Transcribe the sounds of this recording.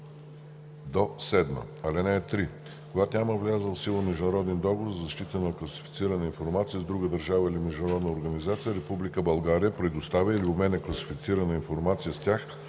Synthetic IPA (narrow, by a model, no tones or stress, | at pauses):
d̪osɛd̪mə̰ɐlɛnɛːt̪ɾi | koɡat̪nʲaməvlʲazəlˠsilˠəmɛʒd̪ʊnɐɾɔd̪ɛnd̪ɔɡovoɾzɐʃt̪it̪ənɐklˠɐsi̥fi̥t̪siɾɐnəinfoɾmat̪sijəzd̪ɾuɡəd̪əɾʒavəilimɛʒd̪unɐɾɔd̪nəoɾɡɐnizat̪sijəɾɛpublikəbɐlˠɡaɾijəpɾɛd̪ost̪avʲəiliʊmɛnɛklˠɐsi̥fit̪siɾənəinfoɾmat̪sijəst̪ʲax